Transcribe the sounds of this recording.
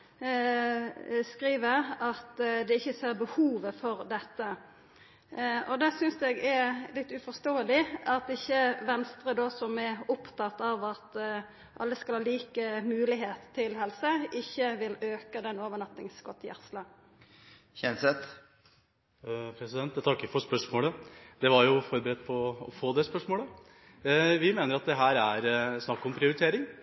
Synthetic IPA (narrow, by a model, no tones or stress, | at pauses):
skʁiːʋəɑt̪d̪ɛɪçːəseːʁbəhuːʋəfɔʁd̪ɛt̪ːə | ɔd̪ɛsʏnsɛɡɛlɪt̪ːʉfɔʁst̪oːəlɪɑt̪ɪçːəʋɛnst̪ʁəd̪oːsɔmɛʊpt̪ɑt̪ːɑʋɑt̪ | ʔɑ̰lːəskɑlhɑːliːkəmʉːlɪɦeːt̪ʰːɪlhɛlsəʔɪçːəʋɪløːkəd̪ɛnːoːʋənɑt̪nɪŋsɡɔt̪ːjæ̰ʁslɑ | çɛnsɛt̪ | pʰɾɛsɪd̪ɛnt̪t̪ʰɑkːəfɔʂpœʂmoːləd̪ɛʋɑɾjʊfɔɾbəɾɛd̪̚pʰɔɔfoːd̪ɛspœʂmoːlə | ʋɪmeːnəɾɑt̪̚d̪ɛɦæːɾæɾsnɑkːɔmpʰɾɪʊɾɪt̪ʰeːɾɪŋ